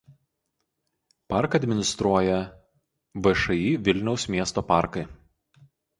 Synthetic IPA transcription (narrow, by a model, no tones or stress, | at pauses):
pɑˑɾkɐd̪ʲmʲɪnʲɪst̪ɾuɔjɛ | ʋɐʃɐiːʋʲɪlʲnʲɛʊsmʲiɛst̪oːpɑˑɾkɐɪ